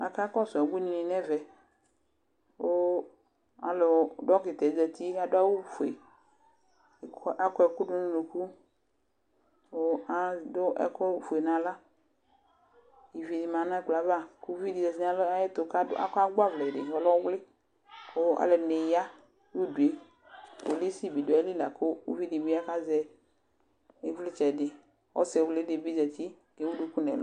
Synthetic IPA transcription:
a̰˨ka˦kɔ˦sʊ˨ɛ˨ɡ͡bu˦nĩ˨nĩ˨nɛ̃˦vɛ˨ | wo˦ | a̰˨lo˨˦ɖɔ˦ke˨t̪ɛ˨d͡ʒɛ˨t̪i˦ka˦do˦a˦wu˦fu˨ḛ˨ | kʔa˦kɔ˦ɛ˨ku˦ɖʊ˦nũ˦lu˨ku˦ | wo˦a˦do˦ʔɛ̰˨ko˦fe˨nã˨la˦ | i˨vi˨di˨mã˨nã˦k͡pla˨va˦˨ko˦vi˦di˨zɛ˨si˦a˨lɔ˦a˦ɪ˦t̪ʊ˨ka˦ʊ̰˦a̰˦ka˦ɡ͡ba˦vlɛ˨dɪ˨ɔ˨˦lɔ˦wlɪ˦ | kʊ˦a̰˨˦lɛ˨ne˨ja˦ | wu˦du˨e˨ | po˨li˦si˦˨bi˨dʊ˨a˨˦li˦la˨kʊ˦ṵ˦vi˦di˨bi˦a˦ka˦zɛ˨ | e˦vlɪ˦t͡ʃɛ˨dɪ˨ | ɔ̰˦sɛ˨wlɪ˦dɪ˨bi˦d͡ʒɛ˨ti˦ | e˨˦wu˦du˦ku˦nɛ̰˨l

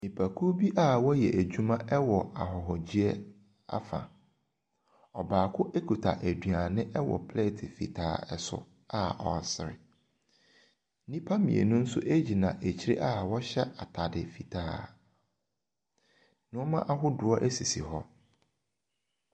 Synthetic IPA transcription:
nĩ˨pʰæ˨kʰu˦bi˦ʔa˦˨wɔ˦jɛ˨ʔæ˨d͡ʑu˦mã˦ʔɛ˦wɔ˨a˨ɦɔ˨ɦɔ˨d͡ʑi˦ɛ˦ | a̰˦fã̰˨ | ɔ˨baː˨kʰʊ˦ʔe˦kʰu˨tʰa̰˨ʔæ˨dɥa˨nɪ̃˦ʔɛ˦wɔ̰˨pʰle˦˨tʰɪ˨fḭ˨tʰa̰ː˨ɛ˨sʊ̰˨ | a˦ɔ̰˨sɪ˨ɾɪ̰˨˦ | nĩ˦pʰa˦mĩ˨ḛ˨nʊ̃˦n̩˦sʊ̰˦ʔe˦d͡ʑi˨nã˨ʔæ˨t͡ɕʰi˦ɾḛ˦ʔa˦wɔ˦ɕɛ˦ʔa˨tʰa˨dɪ˨fi˨tʰaː˨˦ | nʊ̃˦ɔ˦mã˦ʔa˨ɦʊ˦dʊ˨ɔ˦ʔæ˦si˨sḭ˨hɔ˦

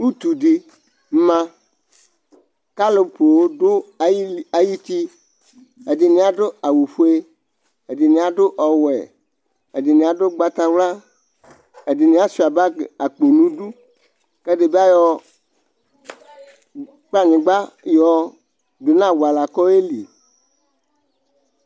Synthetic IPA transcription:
u˦t̪u˨ɖi˨˦ | mã˦ | ka˦lo˨po˨wo˦dʊ˦˨˦ | a˨ji˦t̪i˦ | e˨di˨nĩ˨˦a˨ɖʊ˦a˨wu˨fo˦e˦ | e˨di˨nĩ˨˦a˨ɖʊ˦ʔɔ˨wɛ̰˨ | e˨di˨nĩ˨a˨ɖʊ˦ɡ͡ba˦t̪a˦wla˦ | e˨di˨nĩ˨˦a˦si˨a˨ba˦˨a˨k͡po˨nũ˦ɖu˦ | ke˦ɖe˨be˦a˦jɔ˦ | k͡pa˦ɲĩ˨ɡ͡ba˦jɔ˦ | do˨nã˦˨wa˨la˨kɔ˦e˦li˨

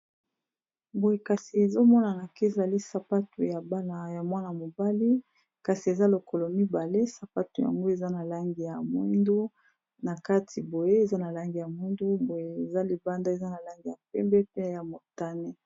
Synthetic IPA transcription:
bo˨je˨ka˨si˨e˨zo˦mɔ˦na˨na˨ke˦e˨za˨li˦sa˨pa˦tu˨ja˨ba˦na˨ja˨mwa˦na˨mo˨ba˦li˦ | ka˨si˨e˨za˦lo˨ko˨lo˨mi˦ba˨le˦sa˨pa˦tu˨ja̰˨ŋɡo˦e˨za˦na˨la˦ŋɡi˨ja˨mu˦ndu˦ | na˨ka˦tʰi˨bo˨je˦e˨za˦na˨la˦ŋɡi˨ja˨mu˦ndu˦bo˨je˨e˨za˦li˨ba˦nda˦e˨za˦na˨la˦ŋɡi˨ja̰˨pɛ˦mbɛ˦pe˦ja˨mo˨ta˦ne˦

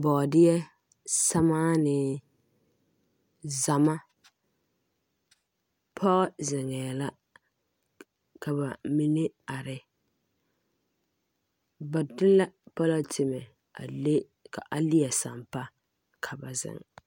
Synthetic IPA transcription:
bɔ˨dɪ˦jɛ˦ | sa˦maː˦nɪ˨ | za˨ma˦ | pʰɔ˦ɣɛ˦zɪ˨ŋɛː˨la˦ | ka˨ba˨mi˦ne˦a˨ɾɪ˨ | ba˨dɪ˦la˦pa˦la˦tʰɪ˨mɛ˨ | a̰˨le˦ | kʰa̰˨ʔa˨lɪ˦ɛ˨sa̰˨mpa˦ | kʰa˨ba˨zɪ̰˨ŋ

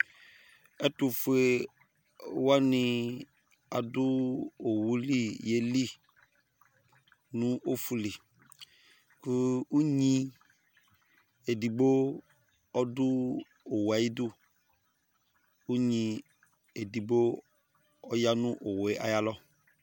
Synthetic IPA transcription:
ɛ˦tu˨fu˨˦e˨ | wa˦nɪ̃˨ | a˨dʊ˦o˨wu˦li˦je˦li˦˨ | nũ˦ʔo˦fu˨li˨ | ku˦u˦ɲĩ˦ | e˨di˨ɡ͡bo˦ | ɔ˦dʊ˦ | o˨wa˨ji˦du˦ | u˦ɲĩ˨ | e˨di˨bo˦ | ɔ˦ja˦nũ˦ʔo˨we˨ʔa̰˨ja˦lɔ˦

